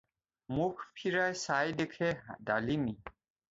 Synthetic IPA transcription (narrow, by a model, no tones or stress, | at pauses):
mukʰpʰiɹajsajd̪ekʰɛd̪alimi